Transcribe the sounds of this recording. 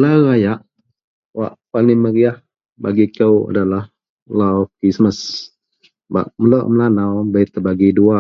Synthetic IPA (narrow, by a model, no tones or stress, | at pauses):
laɾajaʔ | wa̰ʔpaniməɾiah | baɡikəwa̰dalah | lawkɾisməs | ba̰ʔmələʔməlanawbat̪əbaɡidua